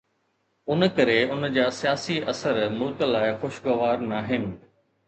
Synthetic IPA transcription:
ʊnkɐɾeʊnd͡ʑaːsijaːsiʔɐsəɾmuːt̪əlaːɪxoʃɡɐʋaːɾnaːɦɪnɪ̆

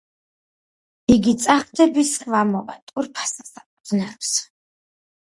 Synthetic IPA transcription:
iɡit̪sʼaχd̪ɛbisχvamɔva̰t̪ʼuɾpʰḁsḁsapʼɔd̪znɛɾps

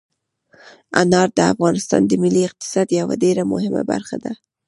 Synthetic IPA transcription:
anɑɾd̪əa̰fɣɑnɪst̪ɑ̰nd̪əmɪliɪq̚t̪ɪ̥sɑd̪jawaɖeɾamʊhɪma̰ba̰ɾxad̪a

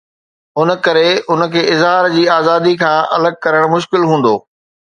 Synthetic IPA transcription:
ʊn̆kɐɾeʊnə̆kʰeːɪzɦaːɾd͡ʑiːaːzaːd̪ikʰãːʔɐ̰ləɡ̚kɐɾəɽ̃mʊʃ̬kɪlɦũːn̆d̪oː

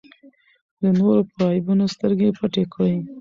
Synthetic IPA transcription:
d̪ənoɾopɾɑɪbunost̪əɾɡepaʈekʰəwi

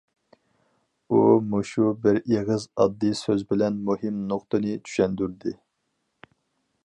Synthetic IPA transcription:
umuʃubɪɾeʁɨzɑd̪ːisøzbɪlɛnmuɦɪmnoqt̪ɨnɨt͡ʃʰy̥ʃɛnd̪yɾd̪ɪ

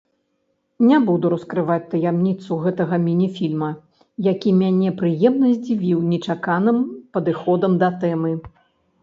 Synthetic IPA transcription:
nʲabud̪uɾɐskɾɨvat͡sʲt̪ɐjamnʲit̪suɣɛt̪ɐɣɐmʲinʲifʲilʲmɐ | jakʲimʲanʲɛpɾɨjɛmnɐzʲd͡zʲivʲiwnʲɛt͡ʂakanɨmpɐd̪ɨxɔd̪ɐmd̪ɐt̪ɛmɨ

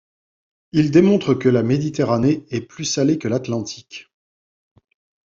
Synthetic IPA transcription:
ild̪emɔ̃t̪χəkəlamed̪it̪eʁaneɛplysalekəlat̪lɑ̃t̪ʰikʲ

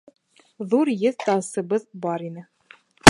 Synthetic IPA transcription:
ðuɾjɘðt̪ɑsɤ̆βɤðbɑɾinɘ

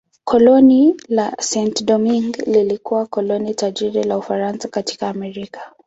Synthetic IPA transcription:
kʰɔlɔnilasɛntdɔmiŋɡlilikuwakɔlɔnitaʄiɾilaufaɾansakati̥kaːmɛɾikḁ

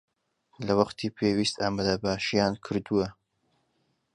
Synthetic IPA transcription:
lɐwɐqt̪ʰiːpʰeːwiːst̪ʰaːmad̪ɐbaːʃijaːnkʰɨɾd̪uwɐ

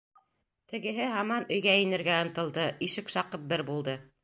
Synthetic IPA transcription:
t̪ɘ̆ɡɘ̆ɦɘɦɑmɑnɵ̆jɡæinɘ̆ɾɡæɤ̆nt̪ɤ̆lˠd̪ɤʔiʃɘkʃɑqɤp̚bɘɾbulˠd̪ɤ

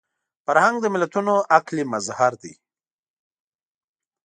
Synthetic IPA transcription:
faɾhaŋɡd̪əmɪlat̪unoʔaklimazhaɾd̪ḭ

